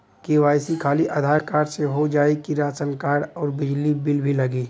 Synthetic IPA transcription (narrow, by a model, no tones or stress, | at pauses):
kiʋaːjsikʰaːliʔɐd̪ʱaːɾkaːɾseɦod͡ʒaːekiɾaːsənkaːɽɔːɾbɪd͡ʒlibɪlbʱilɐɡiː